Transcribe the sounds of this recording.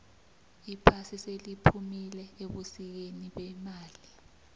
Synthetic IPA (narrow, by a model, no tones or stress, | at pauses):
ipʰasiselipʰumilɛeɓusik̬eniɓɛmaːli